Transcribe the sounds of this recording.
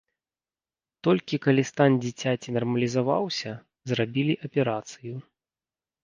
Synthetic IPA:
t̪ɔlʲkʲikalʲist̪anʲd͡zʲit͡sʲat͡sʲinɐrmɐlʲizava̰wsʲɐ | zrabʲilʲiʔɐpʲɛɾat̪sɨju

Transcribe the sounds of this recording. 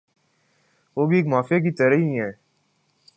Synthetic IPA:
ʋoːbieːkmaːfijak̬it̪əɾəɦiɦɛː

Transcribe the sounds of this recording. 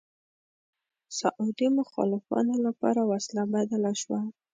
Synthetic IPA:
saʔud̪imʊxɑ̰lɪfɑ̰nolapɑ̰ɾawaslabad̪alaʃwa

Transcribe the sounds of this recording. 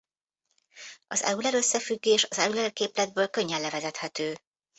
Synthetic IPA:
ʔɒ̰zɛ̰ulɛɾø̞sːɛfyɡːeːʃɒzɛulɛrkeːplɛd̪̚bøːlkø̞ɲːɛlːɛvɛzɛt̪hɛt̪øː

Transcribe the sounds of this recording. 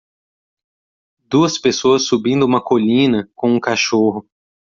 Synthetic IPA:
d̪uɐspesoɐsːubĩnd̪ʊũmɐkolĩnɐkõũkaʃoɦʊ

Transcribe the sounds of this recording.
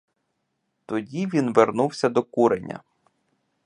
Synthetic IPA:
t̪ɔdʲiʋʲinʋernuwsʲɐd̪ɔkuɾenʲːɐ̰

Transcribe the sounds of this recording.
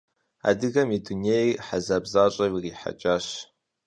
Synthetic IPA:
a̰dɨɣɐmidunejħazaːbzaːɕʼɐwiriːħa̰t͡ʃʼaːɕ

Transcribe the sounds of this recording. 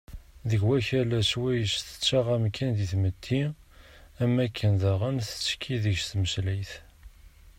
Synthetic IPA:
ðəʝwæçælæswæjəsθə̥t͡sːaʁæmkʰːænðiθmət̪ʰːi | æmːækːənðæʁæmθə̥t͡sːkʰːiðəçst̪məslijθ

